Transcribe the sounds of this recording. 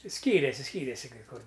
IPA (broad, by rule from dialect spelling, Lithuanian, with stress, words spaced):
ˈsʲkʲiːrʲeːsʲɪ ˈsʲkʲiːrʲeːsʲɪ kɐɪ ˈkʊr